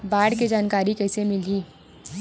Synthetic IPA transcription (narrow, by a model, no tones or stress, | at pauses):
baːɽked͡ʒaːnkaːɾikɛːsemɪliː